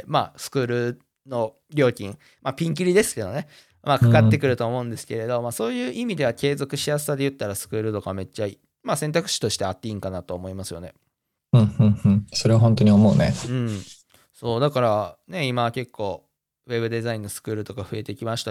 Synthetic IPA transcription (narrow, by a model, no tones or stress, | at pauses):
ma̰sɨ̥kɯ̟ːɾɯ̟ | no̞ | ɾʲo̞ːkʲĩŋ | mapʲĩŋk̬ʲiɾʲid̪e̞sɨ̥ke̞d̪o̞ne | makakat̪ːe̞kɯ̟ɾɯ̟t̪oːmo̞ɯ̟̃nd̪e̞sɨ̥ke̞ɾe̞d̪o̞maso̞ːjɯ̟ːʔimʲid̪e̞βake̞ːzo̞kɯ̟ɕijasɨ̥sad̪e̞jɯ̟t̪ːaɾasɨ̥kɯ̟ːɾɯ̟t̪o̞kame̞t͡ɕːai | masẽ̞nt̪akɯ̟̥ɕi̥t̪o̞ɕi̥t̪e̞at̪ːeĩŋkanat̪o̞ːmo̞imasɨjo̞̰ne̞ | hɯ̟̃ɴhɯ̟̃ɴhɯ̟̃ɴso̞ɾe̞aɦõ̞nt̪o̞ɲ̟io̞mo̞ɯnḛɯ̟̃ɴ | so̞ːd̪akaɾane̞imake̞kʰːo̞ː | βe̞bɯ̟d̪e̞zaĩnːo̞sɨ̥kɯ̟ːɾɯ̟t̪o̞kaɸɯ̟e̞t̪e̞kʲimaɕi̥t̪a